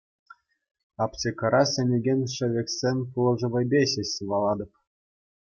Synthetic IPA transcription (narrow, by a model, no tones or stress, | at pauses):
ɑpt͡ɕʲekɤɾɑsʲĕnʲeɡʲenʲʂɘ̆ʋʲekʲsʲenʲpulˠɤ̆ʐɤ̆ʋɤ̆jbʲeɕeɕsɯʋɑlˠɑd̪ɤ̆p̚